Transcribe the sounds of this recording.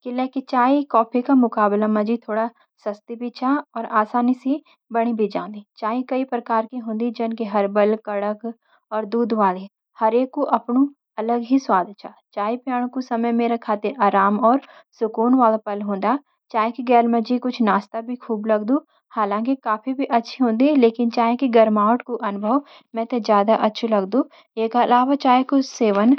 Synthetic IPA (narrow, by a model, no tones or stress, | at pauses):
kɪleːkit͡ʃaːikɔːpʰikamʊkaːblamɐd͡ʒit̪ʰoːɽa | sɐst̪ibʱit͡ʃʰaɔːɾaːsaːnise | bɐɽ̃ibʱid͡ʒã̰ːnd̪it͡ʃaːĩkɐipɾɐkaːɾkiɦõːnd̪id͡ʒɐnkeɦɐɾbəlkɐɽək | ɔːɾd̪uːd̪ʋaːle | hɐɾeːkːoʔɐpnu | ɐləɡɦiswaːd̪ʱt͡ʃʰa | t͡ʃaːipjaːɽ̃kusɐməjmeːɾakʰaːt̪ɪɾaːɾaːmɔːɾ | sʊkuːnʋaːlapɐlɦõːnd̪a | t͡ʃaːɦẽkiɡɛːlmə̃d͡ʒikʊt͡ʃʰnaːst̪abʱikʰuːblɐɡd̪ũː | haːlãːkikaːpibʱiʔɐtːʃʰiɦõːnd̪iɦɛleːkɪnt͡ʃaːɦẽkiɡɐɾmaːʋəʈkoʔɐnʊbʱəʋ | mɛ̃ːt̪ezjaːd̪aʔɐtːʃʰlɐɡd̪ũː | eːkɐlaːʋat͡ʃaːjkʊt͡ʃʰseːʋən